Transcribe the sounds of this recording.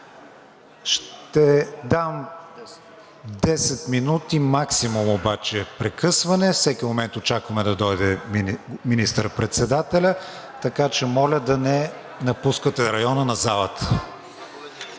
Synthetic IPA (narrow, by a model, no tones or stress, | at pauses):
ʃt̪ɛd̪am | d̪ɛsɛt̪minut̪imaksimumobat͡ʃɛpɾɛkɤsvɐnɛfsɛkʲimomɛnt̪ot͡ʃakvɐmɛd̪ɐd̪ɔjd̪ɛ | minist̪əɾpɾɛt̪sɛd̪at̪ɛlʲə | t̪ɐkat͡ʃɛmɔlʲəd̪ɐnɛ | nɐpuskət̪ɛɾɐjɔnənɐzalˠət̪